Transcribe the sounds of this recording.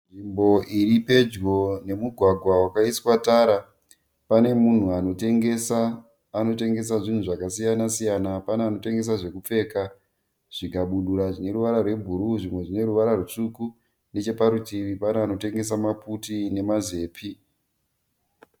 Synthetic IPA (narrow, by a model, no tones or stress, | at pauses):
nʐimbo̞ʔiɾipe̞d͡ʒɡo̞ne̞muɡʱwaɡʱwawakaiswataːɾa | pane̞mun̤uano̞teŋɡesaː | no̞te̞ŋɡe̞s̬aʐin̤uʐakasijanasijanapaneano̞teŋɡe̞s̬aʐe̞kup͡fe̞ːka | ʐ̥ikaɓuɗuɾaʐine̞ɾuʋaɾarwe̞bʱuɾuʐimwe̞ʐine̞ɾuʋaɾarut͡ʂuku | ne̞t͡ʃe̞paɾutiripaneano̞te̞ŋɡe̞s̬amaputine̞maze̞ːpʰi